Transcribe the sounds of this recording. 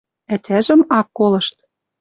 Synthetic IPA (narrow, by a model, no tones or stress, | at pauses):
æt̪ʲʰæʒɘ̆mɑkːolɤ̆ʃt̪